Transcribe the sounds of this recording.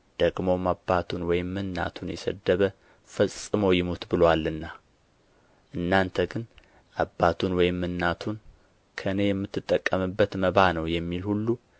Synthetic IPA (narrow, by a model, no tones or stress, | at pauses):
d̪̥əɡmo̞mabːat̪ʰunwɔjɪmːɨnːa̰t̪ʰunjɛ̰sə̰d̪ːəβə | fəsʼɨmojɪmut̪bɨlwalːɨnːa | ʔɨnːant̪ʰəɡɨn | ʔabːat̪ʰunwɔjɪmːɨnːat̪ʰun | kʰəɨne̞jɛmːɨt̪ʰːɨt̪ʼːəkʼːəmɨbːət̪məβanəwjɛmːilhulːu